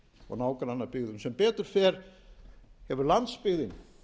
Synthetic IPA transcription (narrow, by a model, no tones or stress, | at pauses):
ɔ̰ɣnaːwkɾanːapɪɣðʏmsɛmpɛːt̪ʏɾ̥fɛːɾ̥ | hɛvʏɾlant̪spɪɣðɪn